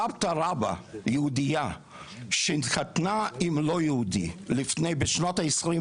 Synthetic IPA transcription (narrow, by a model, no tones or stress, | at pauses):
ab̚taɾaba̰jəudija | ʃentχatnaimlojɛhudḭlifnejbeʃnotaesʁi